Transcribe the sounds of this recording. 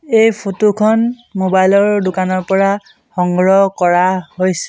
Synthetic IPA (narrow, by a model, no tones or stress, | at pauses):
ejpʰotukʰɔn | mobajlɔɹdʊkanɔɹpɔɹa | xɔŋɡɹɔkɔɹahojsɛ̥